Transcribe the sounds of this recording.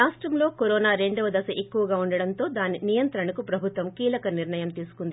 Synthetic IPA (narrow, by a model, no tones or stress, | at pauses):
aːʂʈɾɐmlo̞ːkoɾoːnaːɾe̞ɳɖɐʋɐd̪ɐsɐʔe̞kːuʋɐɡaːuɳɖɐɽɐnt̪o̞ːd̪aːninijɐnt̪ɾɐɳɐkupɾɐbʱut̪ʋɐmkiːlɐkɐniɾɳɐjɐmt̪iːsu̥kund̪i